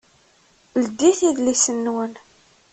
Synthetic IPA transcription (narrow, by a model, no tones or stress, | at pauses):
lɡiθiðlisənːwən